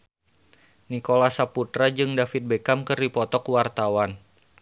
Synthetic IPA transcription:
nikolasaput̪ɾad͡ʒɨŋdafɪt̪̚bekamkɨrdipɔt̪ɔkwart̪awan

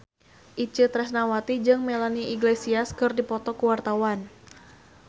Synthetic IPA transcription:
ʔit͡ʃət̪ɾɛsnawat̪id͡ʒɨŋmelaniiɡlesiaskɨrdipɔt̪ɔkuwart̪awan

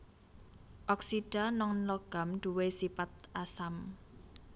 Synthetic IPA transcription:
ʔɔksiɖ̥a̤nɔŋlɔɡ̥a̤mɖ̪̥ṳwesipat̪̚ʔasam

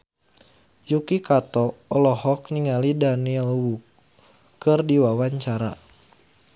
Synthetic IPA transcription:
jukikat̪ɔɔlɔhɔk̚niŋalidaniɛlwukː | ɨrdiwawaɲt͡ʃaɾa̰

